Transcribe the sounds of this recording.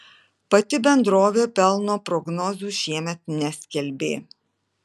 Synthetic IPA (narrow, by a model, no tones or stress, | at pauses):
pɐt̪ʲɪbʲɛnd̪ɾoːʋʲeːpʲɛlˠnoːpɾɔɡnɔzʲuːʃʲiɛmʲɛt̪nʲɛsʲkʲɛlʲbʲḛː